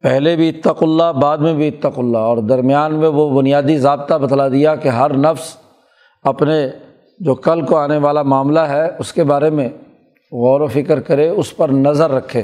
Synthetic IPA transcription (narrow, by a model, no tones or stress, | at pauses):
pɛɦlebʱiɪt̪ːəqʊlːabaːd̪mẽbʱiɪt̪ːəqʊlːaɔːɾd̪ɐɾmjaːnmẽʋobʊnijaːd̪izaːb̚t̪abɐt̪lad̪ijakeɦɐɾnɐfs | ɐpne | d͡ʒoːkɐlkoaːneʋaːlamaːmlaɦɛʊskebaːɾemẽ | ɣɔːɾofɪkəɾkɐɾeʊspɐɾnɐzəɾːɐkʰːeː